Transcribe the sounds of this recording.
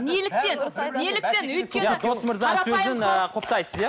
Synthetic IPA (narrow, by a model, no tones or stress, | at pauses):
nelɪk̚t̪ennelɪk̚t̪enwɵt̪k̪ʲenj̪ɪd̪ʰosmɪɾzɑsɵzɪŋəqʰopt̪ɑjsəzja